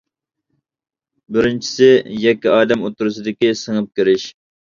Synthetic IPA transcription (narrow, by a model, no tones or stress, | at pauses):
bɪɾɪnt͡ʃʰi̥sɪjɛkʲːiɑːd̪ɛmot̪ːuɾusɨd̪ɪkʲisəŋəp̚kʲiɾɪʃ